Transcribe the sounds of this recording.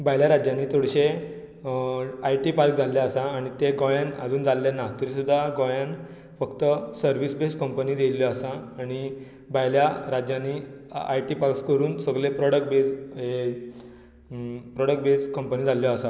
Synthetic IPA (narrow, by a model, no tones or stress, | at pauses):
baɦjljaɾad͡ʑjãnːiːt̪ʰoɽɕe | ajʈipaɾk̚d͡zʱaljaəsãːɽ̃it̪eɡɔjanə̰d͡zuːnd͡zalːanːat̪əɾiːsud̪ʱːaɡɔjan | fəkt̪əsəɾʋiːsbeskəmpəniːd̪elːjɔəsãːɽ̃i | bajljaɾad͡ʑjãnːia̰jʈipaɾkskəɾuːnsəɡlepɾɔɽək̚ʈ̚bed͡zɦe | pɾɔɽək̚ʈ̚beskəmpəniːd͡zʱaljɔːsa